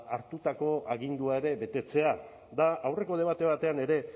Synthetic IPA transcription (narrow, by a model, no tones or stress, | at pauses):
aɾt̪ut̪ako̞aɣind̪uae̞ɾe̞βe̞t̪e̞t͡se̞a | d̪aawre̞ko̞ð̞e̞βat̪e̞β̞at̪e̞ane̞ɾe̞